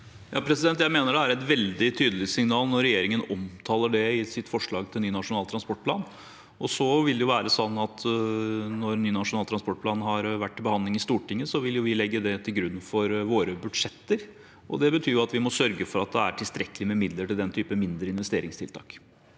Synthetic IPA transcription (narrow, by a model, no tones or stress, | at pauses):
jʔɑ̰ːpʰɾɛsɪd̪ɛnt̪jæɪmeːnəɖɛæɾɛt̪ʋɛld̪ɪt̪ʰyːd̪əlɪsɪŋnɑːlnɔɾɛjeːɾɪŋənɔmt̪ʰɑːləɖɛɪsɪt̪fɔʂɭɑːɡt̪ʰɪlnyːnɑʂʊnɑːlt̪ʰɾɑnspɔʈ̚pʰlɑ̰ːn | ɔsɔʋɪld̪ɛjʊʋæːɾəsɔnːɑt̪ʰ | nɔɾnyːnɑʂʊnɑlt̪ʰɾɑnspɔʈ̚pʰlɑːnɦɑɾʋæʈːɪlbəhɑnd̪lɪŋɪst̪uːʈɪŋːəsɔʋɪljʊʋɪlɛɡːəd̪ɛt̪ʰɪlɡɾʉnːfɔɾʋoːɾəbʉd̪ʂɛt̪ːəɾ | ʔɔ̰d̪ɛbət̪ʰyːɾjʊɑt̪ʋɪmɔsœɾɡəfɔɾɑt̪̚d̪ɛæ̰ʈʰɪlst̪ɾɛkəlɪmɛmɪd̪ləʈɪld̪ɛnt̪ʰyːpəmɪnd̪ɾəɪnʋɛst̪eːɾɪŋst̪ɪlt̪ʰɑ̰ːk